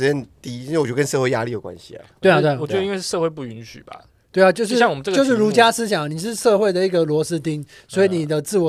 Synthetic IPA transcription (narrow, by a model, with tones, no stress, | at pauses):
ɻ̩˧˥ɛ˥nt̪i˥i˥˧we˩˨t͡ɕo˥˩˧kə˦n˥ʂɤ˥˧xwe˥˩ɪja̰˦˥li˥˨jo˨˩kwa̰˦nɕḭ˨ɐ̰˨˩twe˥˩ɪ˨t̪we˥˩˨ɛ˦d̪ə˧i˥nwe˥˧ʂɻ̩˥˧ʂɤ˥˧xwe˥˧ɪpu˥˩y˧˥nɕy̰˨˩bɐ̰˨ | t̪we˥˩ɪa˨˩t͡ɕjo˥˧ʊʂ̬ɻɕjŋwɔ˨ə˦nʈ͡ʂə˥˧t͡ɕo˥˧ʊʂɻ̩˥˩ɻu˧˥t͡ɕja˥sɹ̩˥ɕ̬jɑ˨˩ŋ˩ni˨˩ʂ̬ɻ̩˥˧ʂɤ˥˧xwe˥˩ɪd̪ə˩i˥˩ɡə˨lwɔ˧˥sɹ̩˥t̪i˥ŋ | swɔ˧˥i˨˦ni˨˩d̪ə˦t͡sɹ̩˥˩wɔ˨˩